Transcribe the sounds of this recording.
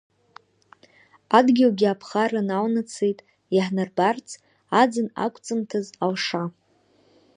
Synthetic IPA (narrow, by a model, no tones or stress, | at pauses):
adɡʲiwɡʲiapʰχaranawnat͡sʰejtʼ | jaħnarbart͡sʰ | ad͡zɨna̰kʷʰʼt͡sʼɨmtʰazalʂa